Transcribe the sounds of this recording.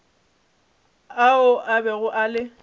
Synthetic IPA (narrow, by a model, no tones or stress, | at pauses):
aʊʔabɛɣʊʔalɪ